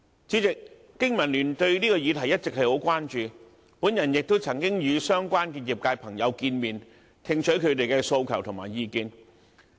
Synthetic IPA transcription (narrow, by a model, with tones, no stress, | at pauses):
t͡siː˨˥t͡sɪ˨k̚ː | ɪ˥ŋmɐ˨˩nlyː˨˩nt̪ɵ˧ɥniː˥kɔː˧jiː˨˧t̪ʰɐ˨˩jɐ˥t̚t͡sɪ˨k̚hɐ˨jho˨˥wkʷwaː˥nt͡ʃyː˨˧ | puː˨˥njɐ˨˩njɪ˨k̚t̪o˥wt͡sʰɐ˨˩ŋkɪ˥ŋjyː˨˧sœː˥ŋkʷaː˥nkiː˧t̚ji˨˩p̚kaː˧jpʰɐ˨˩ŋjɐ˨˧wkiː˧nmiː˨˩n | t̪ʰɪ˧ŋt͡ʃʰɵ˨˥kʰɵ˨˧ɥt̪̬e˨jkɛ˧so˧wkʰɐ˨˩wt̪ʰʊ˨ŋma̰ː˨˩jjiː˨˧kiː˧n